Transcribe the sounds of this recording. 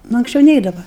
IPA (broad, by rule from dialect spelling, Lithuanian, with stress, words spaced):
nʊ ɐŋksʲˈt͡ʃʲɛʊ ˈnʲɛɪdɐʋɐ